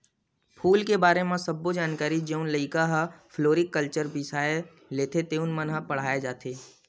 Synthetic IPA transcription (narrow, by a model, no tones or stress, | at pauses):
pʰuːlkebaːɾemãsɐbːod͡ʒaːnkaːɾid͡ʒeːʊ̃nləɪkaɦəpʰloːɾɪk̚ːəlt͡ʃəɾbɪsaːe | leːt̪ʰet̪eːʊnmə̃nɦəpəɽ̤aːed͡ʒaːt̪ʰeː